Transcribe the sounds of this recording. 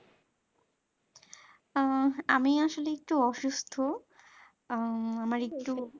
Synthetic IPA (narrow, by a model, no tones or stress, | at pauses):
amiaʃoleek̚ʈuɔʃust̪ʰo | amaɾek̚ʈu